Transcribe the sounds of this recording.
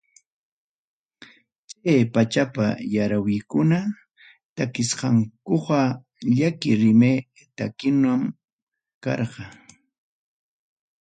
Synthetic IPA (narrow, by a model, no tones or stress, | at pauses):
t͡ʃajpat͡ʃapa̰jaɾawɪkʊna | t̪akɪsqɑŋkoqɑ | ʎakɪɾɪme | t̪akɪnam | kɑ̰ɾqɑ